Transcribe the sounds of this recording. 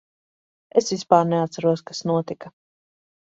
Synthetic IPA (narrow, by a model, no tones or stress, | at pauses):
esvispaːɾneat̪saɾuɔskasnuɔt̪ikɐ